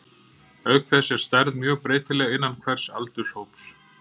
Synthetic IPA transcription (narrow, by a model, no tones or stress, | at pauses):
œɥkθɛsɛɾ̥st̪ɛɾðmjœːɣpɾeːjt̪ɪlɛːɣɪnːankʰvɛr̥sa̰lt̪ʏshowps